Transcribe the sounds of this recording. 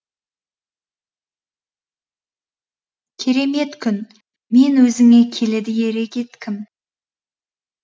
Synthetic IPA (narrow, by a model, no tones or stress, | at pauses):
kʲʰe̞ɾe̞me̞t̪kʲʰʏn | me̞nwɵzɪŋe̞kʲʰe̞lɪd̪ɪje̞ɾe̞kʲe̞t̪kʲɪm